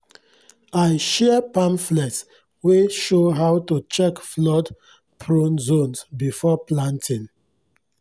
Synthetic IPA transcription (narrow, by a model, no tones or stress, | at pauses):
ajʃɛəpãmflɛts | weʃoɦawtut͡ʃɛkflɔd | pʰɹõnzõnsbifɔplãntʰĩn